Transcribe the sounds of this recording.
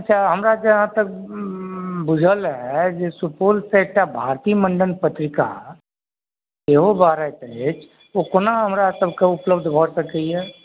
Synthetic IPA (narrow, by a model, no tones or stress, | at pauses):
ɐtːʃʰaɦɐmɾad͡ʒɐɦãt̪ɐk̚ | bʊd͡ʒʱəlɦɛd͡ʒesʊpuːlsek̚ʈabʱaːɾt̪iːmə̃ɳɖənpət̪ɾɪka̰ | teɦobaːɾat̪et͡ʃ | ʋokonaɦɐmɾasɐbkaʊpləbd̪ʱbʱɔɽsɐkəiɦɛː